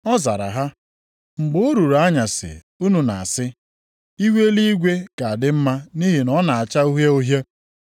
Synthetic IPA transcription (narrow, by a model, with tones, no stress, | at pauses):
ɔ˦za˨ɾa̰˨ɦa˦ | ŋ͡m̩˨ɡ͡bʊ˦ʊ˦ɾu˨ɾa˦ɲa˨sɪ̰˨ | u˦nu˨na̰˨a˨sɪ˦ | i˦wʷe˦li˦i˦ɡʷe˦ka˨a˨dɪ˦m̩˦ma˦ni˦ɦi˨nɔ˦na˨a˨t͡ʃa˦u˦ɦe˦o˦ɦje˦